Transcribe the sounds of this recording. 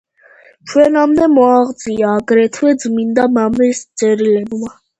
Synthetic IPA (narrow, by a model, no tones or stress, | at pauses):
t͡ʃʰwɛnamd̪ɛmɔaʁd̪zʼiaːɡɾɛt̪ʰwɛd̪zmind̪amamɛst̪sʼɛɾilɛbma